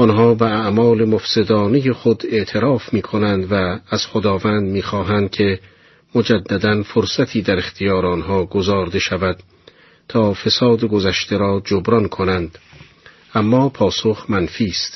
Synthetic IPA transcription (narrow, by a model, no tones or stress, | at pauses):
ɔnɦɒːbeæʔmɒːle̞mofse̞d̪ɒːnejeχod̪e̞ʔt̪ʰe̞ɾɒːfmiːkʰonænd̪væːz̥χod̪ɒːvænd̪miːxɒːɦænd̪̥̚cʲʰe̞ | mod͡ʒæd̪ːæd̪ænfoɾsæt̪ʰiːd̪æɾe̞xt̪ʰijɒːɾeɔnɦɒːɡozɒːɾd̪e̞ʃævæd̪̥ | t̪ʰɒːfe̞sɒːd̪eɡozæʃt̪e̞ɾɒːd͡ʒobɾɒnkʰonænd̪ | ʔæmːɒːpʰɒːsoxmænfiːst̪